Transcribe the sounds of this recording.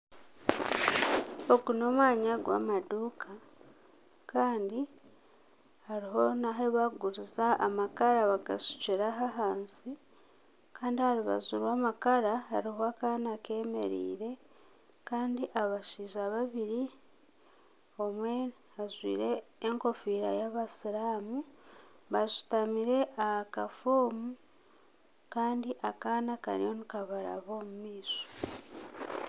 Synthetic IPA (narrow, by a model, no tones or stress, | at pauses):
o̞kuno̞mwaːɲaɡwa̰ːmaduːkʰa | kaːndi | haɾiɦo̞naɦeβaɡuɾizaʔamakaɾaβaɡa̰su̥ceɾaɦaɦaːnsi | kaːndihaɾuβa̰zuɾwaːmakaɾahaɾihoakanake̞ːme̞̰ɾḭːɾe̞ | kaːndiʔaβaʃiːʒaβaβiɾi | o̞mwe | azwḭːɾe̞ːŋko̞fiːɾajaβasiɾaːmu | βazu̥tamiɾe̞ʔakafoːmu | kaːndiʔakaːnaka̰ɾjonikaβaɾa̰βo̞ːmumiːso̥